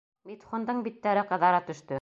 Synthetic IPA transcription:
mit̪χŏnd̪ɤɴbit̪ːæɾɘqɤ̆ðɑɾɑt̪ɵ̆ʃt̪ɵ

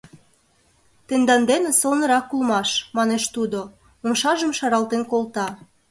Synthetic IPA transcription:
t̪end̪ɑnd̪enesolnɤ̆ɾɑkːulmɑʃmɑneʃt̪ud̪o | omʃɑʒəmʃɑɾɑlt̪enkolt̪ɑ

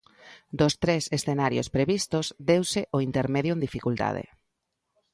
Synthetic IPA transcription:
d̪ost̪ɾesesθenaɾjo̰spɾeβist̪ozd̪ewsɪʔoint̪eɾmeðjʊẽnd̪ifikult̪a̰ð̞ḛ

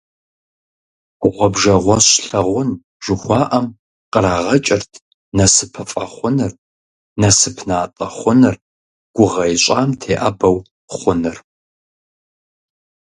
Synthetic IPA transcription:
ʁʷɔbʒɐʁʷɔɕɬɐʁʷʊn | ʒ̥ɨxʷɑːʔɐm | qəɾaːʁɐt͡ʃʼɪrtʰ | nɐsɨpʰɨfʼɐχʷʊnɨr | nɐsɨpʰnaːtʼɐχʷʊnɨr | ɡ̥ʷʊʁɐjɕʷʼaːmtʰeːʔɐbɐw | χʷʊnɨr

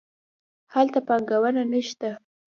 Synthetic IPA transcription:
halt̪apaŋɡawənanəʃt̪a

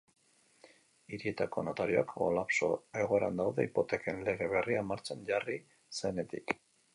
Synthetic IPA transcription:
iɾie̞t̪ako̞no̞t̪aɾio̞akko̰lapso̞̰e̞ɣ̞o̞e̞ɾa̰nd̪awðe̞ipo̞t̪e̞ke̞nle̞ɣ̞e̞βe̞riamaɾt͡seɲɟari | sene̞t̪ik

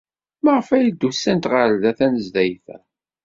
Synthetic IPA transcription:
məʁəfæjid̪ːusːænt̪ʁaɾðæθænəzd̪æjθæ

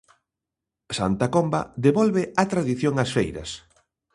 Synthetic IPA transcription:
sa̰nt̪akomba̰ðeβɔlβeat̪ɾaðiθjõŋasfejɾɐ̰s

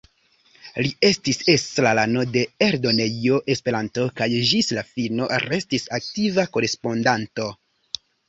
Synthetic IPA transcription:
lie̞stise̞slalano̞de̞eɾdo̞nejo̞ʔe̞spe̞ɾanto̞kajʒislafino̞ɾe̞stisak̚tivako̞ɾe̞spo̞ndanto̞

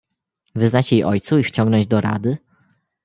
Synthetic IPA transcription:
vɘznat͡ɕjejʔɔjt̪suift͡ɕɔŋɡnɔɲd͡ʑd̪ɔɾa̰d̪ɘ

